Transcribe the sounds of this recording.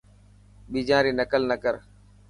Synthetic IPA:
ɓiːd͡ʒãːɾiːnəkəlnəkəɾ

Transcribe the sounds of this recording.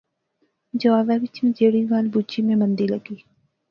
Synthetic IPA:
d͡ʒəʋaːbaʋɪt͡ʃmĩd͡ʒeːɽiʋaːlbut͡ʃimẽmə̃nd̪iləɡiː

